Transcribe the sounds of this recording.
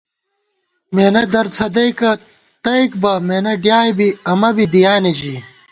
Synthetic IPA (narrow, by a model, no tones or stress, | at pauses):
meːnɐd̪ɐɾt͡sʰɐd̪ɐjkɐ | t̪ɐikbɐmeːnɐɖjaːjbiɐmɐbid̪ijaːnid͡ʑi